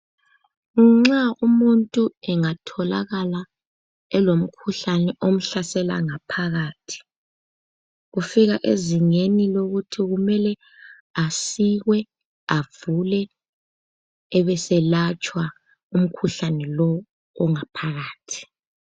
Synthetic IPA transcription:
ŋ͡ǁaumuntʼuɛŋatʰɔla̰ɣala | ɛlom̩kʰuɬanɛʔom̩ɬasɛla̰ŋapʰaɣaːtʰi̥ | ɣufiɣaʔeziŋeniloɣutʰiɣumɛlɛ | asiɣwɛ | avulɛ | βɛsɛlat͡ʃʼwa | um̩kʰuɬanɛlɔː | ŋapʰaɣaːtʰi̥

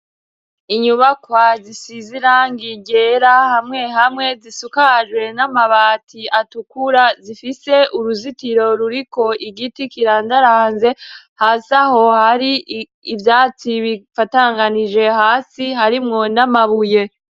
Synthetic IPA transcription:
iɲuβakwazisiziɾaŋɡiɟeɾahamŋe̞ɦamŋe̞zisukaʒwe̞namaβaːtʰiatukuɾazifise̞ʔuɾuzitiɾo̞ɾuɾiko̞ʔiɡitikiɾaːndaɾaːnze̞ | haːsaho̞haɾiː | vjaːt͡siβifataŋɡanid͡ʒe̞haːsihaɾimŋo̞namaβuje̞

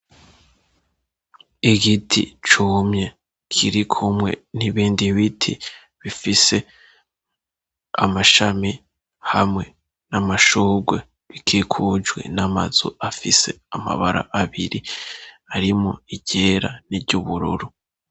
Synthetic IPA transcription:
iɡitʰḭt͡ʃumɲe̞ | kʰiɾikʰumŋe̞̰niβiːndiβitʰḭ | βifise̞ | a̰maʃami | hamŋe̞ | namaʃuːɡwe̞ | βikʰikʰud͡ʒwe̞̰nama̰zṵafise̞ama̰βaɾa̰ʔaβiɾi | aɾimo̞iɟe̞ːɾaniɟuβuɾṵɾu

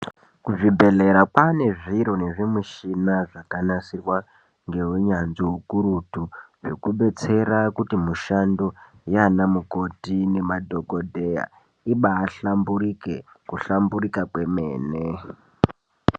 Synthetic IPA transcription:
kuʐibʱeɮe̞ɾakwane̞ʐiɾo̞ne̞ʐemiʃinaʐakanasirwa | ŋɡe̞ɦuɲanziɦukurutuʐokuɓe̞t͡se̞ɾakutimuʃando̞ | janamuko̞tine̞madʱo̞ko̞dʱe̞ja̰ | iɓaːɬamburike | kuɬamburikakwe̞mḛːne

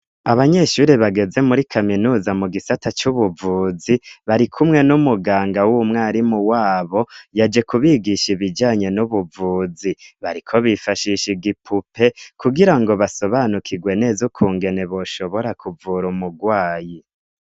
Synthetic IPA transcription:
aβaɲe̞ʃuɾiβaɡe̞ze̞muɾikʰaminuzamuɡisatat͡ʃuβuvuːziβaɾikʰumŋe̞numuɡaːŋɡawumŋaːɾimuwaːβo̞jad͡ʒe̞kuβiɡiʃiβid͡ʒaːɲe̞nuβuvuːziβaɾikʰo̞βifaʃiʃiɡipʰupʰe̞kuɡiɾaŋɡo̞βaso̞βanukʰiɡwe̞ne̞ːzokʰuːŋɡe̞ne̞βo̞ʃo̞βo̞ɾakʰuvuɾumuɡwaːji

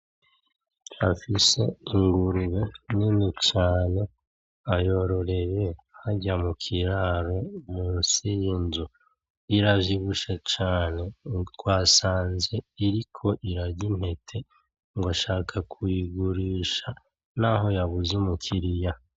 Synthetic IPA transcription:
afise̞iŋɡuɾuβeninit͡ʃaːne̞ | ajo̞ɾo̞ɾe̞βe | haɟamukʰiɾaːɾo̞muːnsijinzu | iɾaviβuʃet͡ʃaːne̞twaːsaːnze̞iɾikʰo̞ʔiɾaɾɟin̥he̞tʰe̞ | ŋɡoʃaːkʰakʰuiɡuɾiːʃa | naɦo̞jaβuzumukʰiɾija

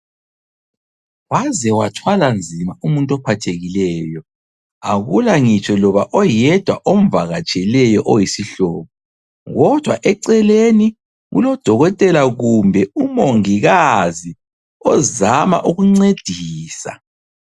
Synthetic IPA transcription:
wazɛwatʰwaland͡zʱimaumuntʼɔpʰatʰeɣilɛːjɔ | aɣulaŋit͡ʃʰʼɔlɔβaʔɔjɛd̥ʱwaʔomvaɣat͡ʃʼɛlɛjɔʔɔjisiɬɔːβɔ | ɣɔd̥ʱwa̰ʔɛǀɛleni | ɣṵlɔd̥ʱɔɣɔtʼɛlaɣumbʱɛumoŋiɣazi | ɔzama̰ʔuɣuŋ͡ǀed̥ʱiːsa̰

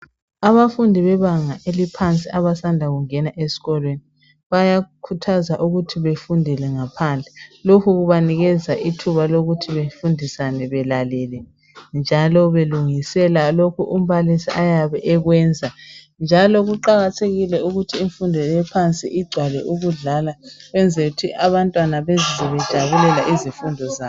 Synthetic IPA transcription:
aβafundʱiβɛβaŋaʔelipʰant͡sʼiaβasandʱaɣuŋɛnaʔesi̥ɣɔlweni | βajakʰutʰazaʔuɣutʰiβefundʱilɛŋapʰand͡ɮʱɛlokʰuɣuβaniɣɛzaʔitʰuβaloɣutʰiβefundʱisanɛβɛlalɛlɛ | nd͡ʒʱalɔβeluŋisɛlalokʰuʔum̩βalisiajaβɛʔɛɣwɛːnd͡zʱa | nd͡ʒʱalɔɣuǃaɣatʰeɣilɛuɣutʰiːɱfundʱɔjɛpʰant͡sʼḭʔiɡ͡ǀʱwalɛʔuɣuɮalaɣwɛnd͡zʱeɣutʰiʔaβantʼwanaβɛzizɛβɛd̥ʒ̥ʱaβulɛlaʔizifundʱɔzaː

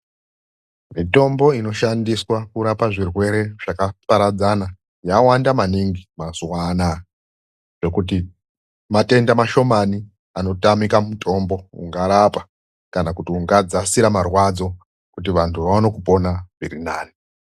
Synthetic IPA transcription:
mito̞mbo̞ino̞ʃandiswakuɾapaʐirwe̞ɾe̞ʐ̥akapaɾad͡zana | jawandamaniŋɡimazuwana | ʐe̞kuti | mate̞ndamaʃo̞mani | ano̞tamikamutʰo̞mbo̞ṵŋɡaɾapa | kanakutiuŋɡad͡zasiɾamarwad͡zo̞ | kut̬iʋantʰuʋaʋano̞kupo̞naviɾinaːni

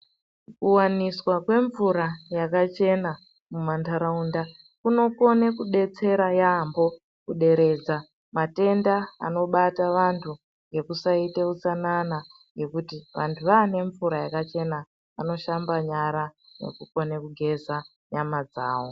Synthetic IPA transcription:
kuwaniswakwe̞ɱvuɾajakat͡ʃe̞na | mumantaɾaunda | kuno̞ko̞nekuɗe̞t͡se̞ɾajaːmbo̞ | kuɗe̞ɾe̞d͡za | mate̞ndaa̰no̞ɓataʋantʰu | ŋɡe̞kusaiteut͡sanana | je̞kutiʋantʰuʋaːne̞ɱvuɾajakat͡ʃe̞na | ano̞ʃambaɲaɾane̞̰kuko̞nekuɡʱe̞za | ɲamad͡zaːwo̞

